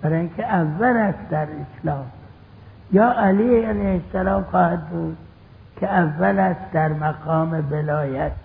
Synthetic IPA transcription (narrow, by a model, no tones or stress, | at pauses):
b̥æɾɒːjiŋkʲʰeʔævːælæst̪d̪æɾeslɒːm | jɒːʔæliːælejhesːælɒːmxɒːhad̪̚buːd̪̚ | kʰeævːælæst̪d̪æɾmæɡɒːmevelɒːjæt̪̚